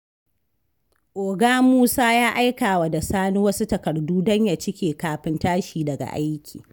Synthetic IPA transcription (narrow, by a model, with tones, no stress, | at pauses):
ʔoː˨ɡaː˦muː˦saː˦jaː˦ʔa˦jkaː˨wa˨da˨saː˦nu˦wɐ˦su˦tɐ˨kɐ˨rduː˦dɔ˦ɲja˨t͡ʃɪ˦kʲeː˨kaː˨ɸɪ˦ntaː˦ʃiː˨dɐ˨ɡa̰˨ʔa˦jkʲḭː˨